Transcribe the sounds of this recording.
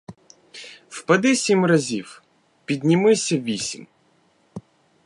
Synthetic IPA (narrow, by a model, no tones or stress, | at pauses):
wpɐd̪ɪsʲimrɐzʲiw | pʲid̪ʲnʲimɪsʲɐʋʲisʲḭm